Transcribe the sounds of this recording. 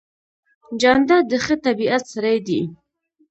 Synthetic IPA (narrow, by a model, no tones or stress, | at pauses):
d͡ʒɑnd̪ad̪əxət̪abiat̪saɾajd̪i